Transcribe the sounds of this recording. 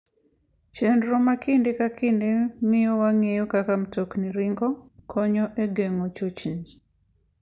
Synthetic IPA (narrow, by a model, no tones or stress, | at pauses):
t͡ʃendɾomakindekakʰɪndemɪjɔwaŋejokakamtokniɾiŋɡɔkʰɔɲɔʔeɡeŋot͡ʃot͡ʃin